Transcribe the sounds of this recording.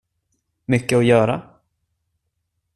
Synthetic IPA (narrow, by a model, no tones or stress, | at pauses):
mʏkːəɔjœːɾa̰